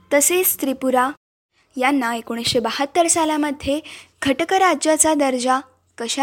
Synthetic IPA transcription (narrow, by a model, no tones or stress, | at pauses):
t̪əsest̪ɾipuɾa | janːaekoɽ̃isɕebəhət̪ːəɾsalaməd̪ʱjeɡʱəʈəkəɾad͡ʑjat͡sad̪əɾd͡ʑa | kəɕa